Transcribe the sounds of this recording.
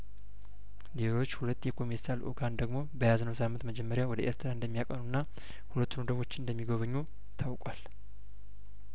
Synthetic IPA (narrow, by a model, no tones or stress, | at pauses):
lelo̞t͡ʃːhulət̪ːjɛkʰo̞meɾsalʔo̰ɡand̪əɡmo̞bəjaznəwsamːɨnt̪məd͡ʒɛmːəɾjawɔd̪əʔe̞̰ɾt̪ʰɾaɨnd̪əmːijakʼənunːa | hulət̪ːunod̪əβo̞t͡ʃːɪnɨnd̪əmːiɡoβəɲːo | t̪ʰawkʼwal